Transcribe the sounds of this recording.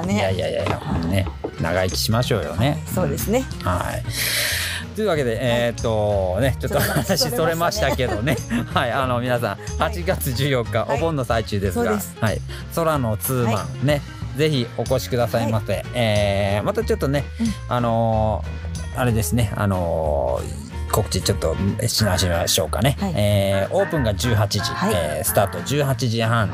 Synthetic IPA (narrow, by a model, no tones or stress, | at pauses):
jaija̰ja̰ja̰nena̰ɡaikʲi̥ɕimaɕo̞̰ːjo̞̰ne̞oːd̪esneha̰ḭ | t̪ojiɯ̟ːβake̞d̪e̞et̪ːo̞ne̞t͡ɕo̞t̪ːoanaɕiso̞ɾe̞maɕi̥t̪ake̞d̪o̞ne̞haiano̞mʲinasãhat͡ɕiɡat͡sɨʑɨːjo̞kːaʔobõ̞nːo̞sait͡ɕɨːd̪e̞sɨɡashaḭ | so̞ɾano̞t͡sɨːmã̰ne̞ | d͡ze̞çio̞ko̞ɕi̥kɯ̟d̪asaimaseeːmat̪at͡ɕo̞t̪ːo̞ne̞ano̞ | aɾe̞d̪e̞sɨne̞a̰no̞̰ | ko̞kɯ̟̥t͡ɕit͡ɕo̞t̪ːo̞̰ɕinaɕimaɕo̞̰ːka̰ne̞eːo̞ːpɯ̟̃ŋɡad͡ʑɨːɦat͡ɕiʑiesɨ̥t̪aːt̪o̞d͡ʑɨːɦat͡ɕiʑihãɴ̃